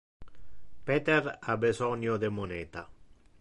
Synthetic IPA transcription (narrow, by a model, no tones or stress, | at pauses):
pet̪eɾabezɔnjod̪emoneːt̪a